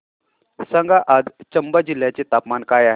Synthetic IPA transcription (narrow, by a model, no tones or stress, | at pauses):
səŋɡaʔad̪t͡ɕəmbəd͡ʑil̤jat͡set̪apmankaːjaɦe